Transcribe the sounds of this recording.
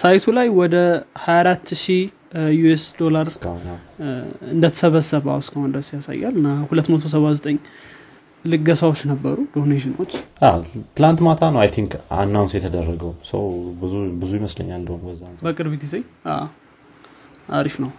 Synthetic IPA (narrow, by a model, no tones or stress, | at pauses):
sajt̪ʰulajwɔd̪əhajaɾat̪ːʃi | juesd̪o̞laɾskəhna | ɨnd̪ət̪ʰə̥səβəsːəβa̰wskəhond̪əsjasa̰jːa̰lɨnːahulət̪ːmət̪ʰo̞s̬əβazət̪ʼəɲː | lɨɡːəsawot͡ʃːnəbːəɾud̪oneʃɪnot͡ʃːʔat̪ʰɨlant̪mat̪ʰanəwajt̪ʰiŋka̰nːawnsjɛt̪ʰəd̪ərːəɡəwsə̰wbɨzubɨzujɪməslə̰ɲːald̪əhunbəzːabəkʼɨɾβiɡize̞ʔa̰ | ʔa̰ɾifnəw